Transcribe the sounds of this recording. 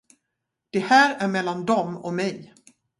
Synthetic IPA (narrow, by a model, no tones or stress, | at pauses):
d̪̥ɛhæːɾæɾmɛlːand̪ɔmɔ̰mɛj